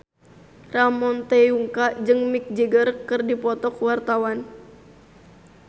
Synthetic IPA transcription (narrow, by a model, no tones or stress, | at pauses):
ramɔnt̪ɛuŋkad͡ʒɨŋmik̚d͡ʒiɡərkɨrdipɔt̪ɔkwart̪awan